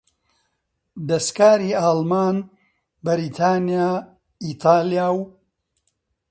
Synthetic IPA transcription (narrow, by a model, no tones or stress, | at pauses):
d̪ɐskaːɾiːaːlmaːn | bɐɾiːt̪ʰaːnijaː | iːt̪ʰaːlijaːw